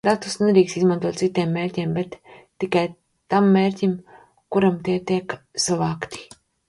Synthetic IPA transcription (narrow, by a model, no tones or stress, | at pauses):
d̪at̪usneɾiːkst̪izmãnt̪uɔːt̪sit̪eːmːeːɾʲtʲiːmbet̪ː | ikaj | t̪amːeːɾʲtʲim | kuɾamt̪iɛt̪iɛksavaːkt̪i̥